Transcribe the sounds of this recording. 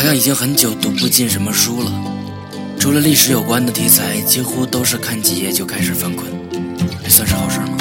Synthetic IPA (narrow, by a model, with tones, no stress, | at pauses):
ɑ˧ɕjɑ˥˩ŋi˨˩i˥ŋxə˧˥nt͡ɕjo˨˩ʊt̪u˥˩pu˧˥˧t͡ɕi˥˩nʂə˧˥nmə˧ʂu˥lə˨ | ʈ͡ʂʰu˧˥lə˧li˥˩ʂɻ̩˧˥jo˨˩ʊkwa˥nd̪ə˨t̪ʰi˧˥t͡sʰa˧˥ɪt͡ɕi˥xu˥t̪o˥ʊʂɻ̩˥˧kʰa˥˩nt͡ɕi˨˩jɛ˥˧t͡ɕjo˥˧ʊkʰa˥ɪʂɻ̩˨˩fa˥nkʰwə˧˥˩n˧˩ | swa˥˧nʂɻ̩˥˧xɑ˨˩ʊʂə˥mɐ̰˧